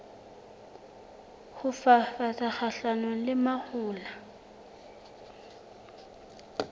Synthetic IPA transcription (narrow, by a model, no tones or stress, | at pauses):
hʊfafatʼaχaɬanolɪmahʊːla